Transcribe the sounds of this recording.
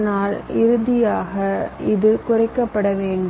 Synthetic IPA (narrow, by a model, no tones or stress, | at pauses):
naːlɪɾɯðɪjaːɣɐɪðɯkʊrɐɪkːɐpːɐɽɐʋeːɳɖ